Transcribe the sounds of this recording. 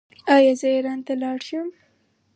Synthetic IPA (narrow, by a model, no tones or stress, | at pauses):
ɑjɑzəɾɑnt̪alɑɽʃəm